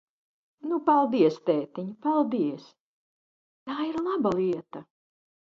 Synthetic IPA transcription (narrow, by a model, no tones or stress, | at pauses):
nupalˠd̪iɛst̪ɛːt̪iɲpalˠd̪iɛs | t̪aːiɾlˠabalˠiɛt̪ɐ